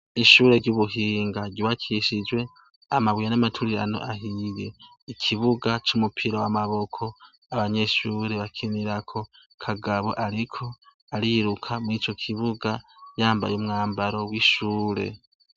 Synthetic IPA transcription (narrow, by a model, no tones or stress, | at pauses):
iʃuːɾeɾɟuβuɦiːŋɡaɟiwakʰiʃid͡ʒwe̞ | amaβwijanamatʰuɾiɾa̰no̞̰ʔaɦije̞ | ikʰiβuɡat͡ʃumupʰiɾawamaβo̞kʰo̞ | aβaɲe̞ʃuːɾeβakʰiniɾakʰo̞ | kʰaɡaβo̞̰ʔaɾikʰo̞ | aɾiɾukʰamwit͡ʃo̞kʰiβuɡajaːmba̰juːmŋaːmbaɾo̞wiːʃuːɾe̞̰